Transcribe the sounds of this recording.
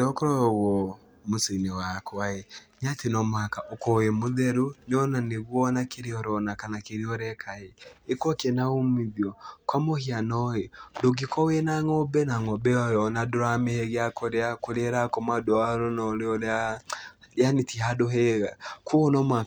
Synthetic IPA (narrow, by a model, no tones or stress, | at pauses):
ɔkɔɾɔwɔ | mosenewakʰwae | ɲatenɔmwakaʔokɔwemoðɛɾunɔnaneβwɔnakeɾeɔɾɔnakanakeɾeɔɾɛkʰaeekwɔkenaomiðjɔkwamohianɔedoɡikɔwenaŋɔbɛnaŋɔbɛɔjɔnadoɾamehɛɣeakɔɾeakoɾeɾakɔmadoaɾɔnɔɾeɔɾa | janetiɦadoɦeɣakoɔnɔmwa